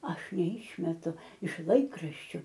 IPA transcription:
ˈɐʃ nʲɛˈɪʃʲmʲɛtʊ ɪʃ ˈlˠɐɪkrɐʃʲt͡ʃʲʊ

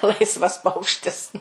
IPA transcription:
ˈlˠɐɪsʋɐs ˈpɐʊkʃʲtʲɪs

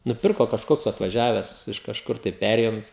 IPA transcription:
nʊˈpʲɪrkoː kɐʃˈkoːks ɐtʋɐˈʒʲæːʋʲɛs ɪʃ kɐʃˈkʊr tɐɪ ˈpʲæːrʲeːjʊnt͡s

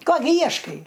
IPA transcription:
ˈkoː ɡʲɪ ˈjiɛʃkɐɪ

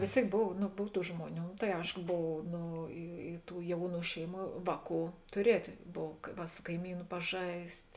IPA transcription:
ʋʲeːs ˈtʲeːɪk ˈboːw nʊ ˈboːw ˈtuː ˈʒmuɔˌnʲuː tɐɪ ˈɐɪʃkoː ˈboːw ˈnoː ɪ ɪ ˈtuː ˈjɛʊˌnuː ˈʃʲɛɪˌmuː ˈʋɑːˌkuː tʊˈrʲiɛtʲeː ˈboːw ˈʋɐ sʊ kɐɪˈmʲiːnʊ pɐˈʒɐɪsʲtʲ

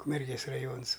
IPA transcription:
ʊkmʲɛrʲˈɡʲeːs rɐˈjoːns

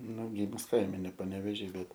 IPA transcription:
nʊ ɡʲiːmʊs ˈkɐɪmʲɛ nʲɛ pɐnʲɛʋʲɛˈʒʲiː ˈbʲɛt

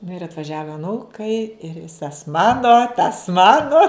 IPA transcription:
nʊ ɪr ɐtʋɐˈʒʲæːʋɐ ɐˈnuːkɐɪ ɪr ˈʋʲɪsɐs ˈmɑːnoː tɐs ˈmɑːnʊ

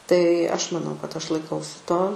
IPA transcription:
tɐɪ ˈɐʃ mɐˈnɐʊ kɐt ˈɐʃ lˠɐɪˈkɐʊsʲɪ ˈtoː

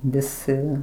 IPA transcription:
ʋʲɪˈsʲɪ

